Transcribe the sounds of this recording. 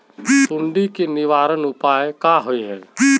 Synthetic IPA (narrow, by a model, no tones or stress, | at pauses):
ʊɳɖikenɪʋaːɾənʊpaːekaɦʊiɦɛː